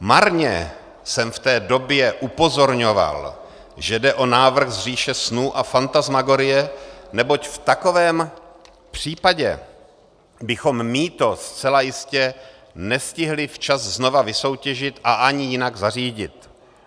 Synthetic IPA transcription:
maɾɲɛ̰ | sɛmft̪ɛːdo̞bjɛʔupo̞zo̞ɾɲo̞va̰l | ʒɛdɛʔo̞naːvr̩xzr̝iːʃɛsnuːʔafant̪azmaɡoɾɪjɛnɛbo̞cft̪ako̞vɛːm | pr̝̥iːpaɟɛ | bɪxo̞mmit̪o̞st͡sɛlajɪscɛ | nɛscɪɦlɪft͡ʃazzno̞vavɪso̞wcɛʒɪt̪ʔaʔaɲɪjɪnaɡzariːɟɪt̪

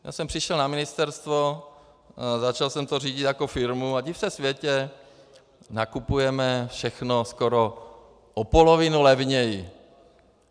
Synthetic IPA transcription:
ja̰ːsɛmpr̥ɪʃɛlnamɪnɪst̪ɛɾst̪vo | zat͡ʃalsɛmt̪or̝iːɟɪt̪jako̞fɪɾmuaɟɪfsɛsvjɛcɛ | nakupujɛmɛfʃɛxnoskoɾo | ʔopolovɪnulɛvɲɛjɪ

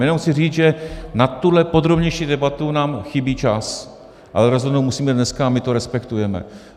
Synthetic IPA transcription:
jɛnowxsɪriːt͡sʒɛnat̪ːudlɛpo̞d̪ɾo̞bɲɛjʃiːdɛbat̪unaːmxɪbiːt͡ʃas | ʔa̰lɛɾozɦodnowmusiːmɛdnɛskaamɪt̪oɾɛspɛkt̪ujɛmɛ̰

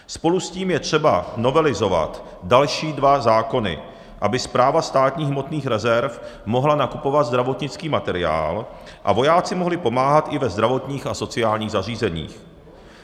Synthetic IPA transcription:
spo̞lusciːmjɛt̪r̝̥ɛbano̞vɛlɪzo̞va̰t̪ | dalʃiːdvazaːko̞nɪ̰ | ʔabɪspɾaːvast̪aːt̪ɲiːɣɦmo̞t̪niːxɾɛzɛɾfmo̞ɦlanakupo̞vat̪zd̪ɾavo̞t̪ɲɪt͡skiːmat̪ɛɾɪa̰ːlʔa̰vo̞jaːt͡sɪmoɦlɪpo̞maːɦat̪ʔɪvɛzd̪ɾavo̞t̪ɲiːxaso̞t͡sɪaːlɲiːɣzariːzɛɲḭːx

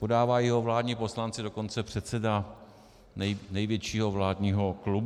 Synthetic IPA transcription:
podaːvaːjɛɦovlaːdɲiːpo̞slant͡sɪdoko̞nt͡sɛpr̝̥ɛt̪t͡sɛda | nɛjnɛjvjɛt͡ʃiːɦo̞vlaːdɲiːɦo̞klub

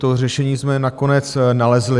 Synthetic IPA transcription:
t̪or̝ɛʃɛɲiːzmɛnako̞nɛt͡snalɛzlɪ

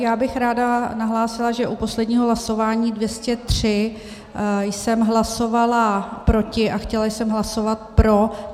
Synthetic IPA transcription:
jaːbɪxɾaːdanaɦlaːsɪlaʒɛʔupo̞slɛdɲiːɦoɦlaso̞vaːɲiːdvjɛscɛt̪r̝̥ɪ | jsɛmɦlaso̞valapɾo̞cɪʔaxcɛlajsɛmɦlaso̞vat̪̚pɾo̞

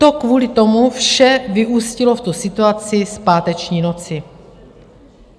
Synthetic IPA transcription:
t̪o̞kvuːlɪt̪o̞mufʃɛvɪʔuːscɪlo̞ft̪usɪt̪uat͡sɪspaːt̪ɛt͡ʃɲiːno̞t͡sɪ

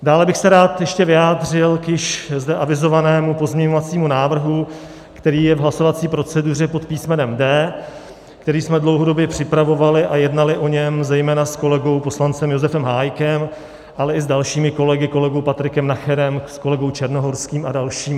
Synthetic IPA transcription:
daːlɛbɪxsɛɾaːt̪jɛʃcɛvɪjaːd̪r̝ɪlkjɪʃzdɛʔavɪzo̞vanɛːmupo̞zmɲɛɲo̞vat͡siːmunaːvr̩ɦu | kt̪ɛɾiːjɛvɦlaso̞vat͡siːpɾo̞t͡sɛdur̝ɛpo̞t̪piːsmɛnɛmdɛː | kt̪ɛɾiːsmɛdlowɦodo̞bjɛpr̝̥ɪpɾavo̞valɪʔajɛdnalɪʔo̞ɲɛmzɛjmɛːnasko̞lɛɡo̞wpo̞slant͡sɛmjo̞zɛfɛmɦaːjkɛm | ʔalɛɪzdalʃiːmɪko̞lɛɡɪko̞lɛɡowpat̪ɾɪkɛmnaxɛɾɛmsko̞lɛɡowt͡ʃɛɾnoɦo̞ɾskiːmadalʃiːm

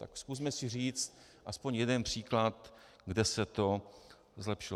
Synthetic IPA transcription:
t̪a̰kskus̬mɛsɪr̝iːt͡st̪̚ | ʔaspo̞ɲjɛdɛnpr̝̥iːklat̪ | ɡdɛsɛt̪o̞ | zlɛpʃɪlo

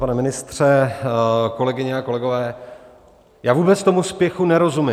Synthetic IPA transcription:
panɛmɪnɪst̪r̥ɛ | ko̞lɛɡɪɲɛako̞lɛɡo̞vɛː | jaːvuːbɛt͡st̪o̞muspjɛxunɛɾo̞zumɪ

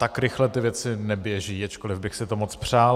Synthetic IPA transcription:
t̪akɾɪxlɛt̪ɪvjɛt͡sɪnɛbjɛʒiːat͡ʃkolɪvbɪxsɪt̪omot͡spr̝̥aːl

